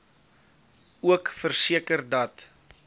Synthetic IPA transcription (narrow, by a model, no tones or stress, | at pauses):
uəkfərsiəkərdɐt